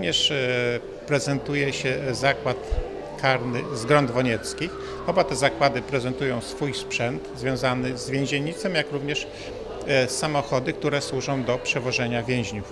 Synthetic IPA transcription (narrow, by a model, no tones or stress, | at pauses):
ɲɛʂ | pɾɛzɛnt̪ujɛɕɛzakwat̪ | kʰaɾnɘzɡɾɔnd̪vɔɲɛt̪skʲix | ɔbat̪ɛzakwad̪ɘpɾɛzɛnt̪ujɔ̃w̃sfujspʂɛnt̪zvʲjɔ̃zanɘzvʲjẽʑeɲit̪sɛmjakɾuvɲɛʂ | sːamɔxɔd̪ɘk̚t̪uɾɛswuʐɔ̃w̃d̪ɔpʂɛvɔʐɛɲavʲjɛ̃ʑɲuf